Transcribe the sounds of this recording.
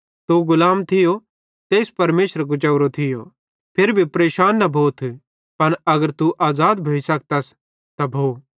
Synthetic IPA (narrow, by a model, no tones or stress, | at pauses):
t̪uɡʊlaːmt̪ʰɪjo | t̪eːspɐɾmeːʃɾak̬ʊt͡ʃɐʊɾot̪ʰɪjo̰ | pʰeɾbʱipɾeːʃaːnːɐbʱoːt̪ʰ | pɐnɐɡəɾt̪uʔaːzaːd̪bʱoːisɐkt̪ɐs | t̪abʱoː